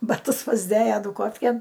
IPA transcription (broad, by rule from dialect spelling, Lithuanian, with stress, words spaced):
bɐˈtʊs pɐzʲˈdʲeːjɛ ˈduːkoːfʲkʲeːn